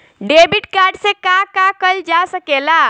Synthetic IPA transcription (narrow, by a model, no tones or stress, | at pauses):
ɖebiʈkaɾɖsẽkakakəld͡ʒasəkela